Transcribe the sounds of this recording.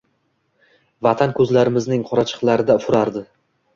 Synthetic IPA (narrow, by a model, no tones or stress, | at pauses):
vat̪ʰankʰɵzlaɾɪmɪznɪŋqʰɒɾat͡ʃʰɨ̥qlˠaɾɪd̪afʊɾaɾd̪ɪ